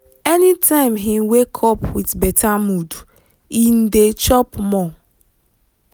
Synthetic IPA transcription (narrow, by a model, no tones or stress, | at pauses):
ɛnitʰãɪ̃mɦiwekʰɔpwitbetʰamudu | in̩det͡ʃɔpmɔ